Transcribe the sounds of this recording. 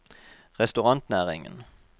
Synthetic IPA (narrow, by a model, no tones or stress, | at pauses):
ʁɛst̪ʉʁɑnt̪næːʁɪ̰ŋə̰n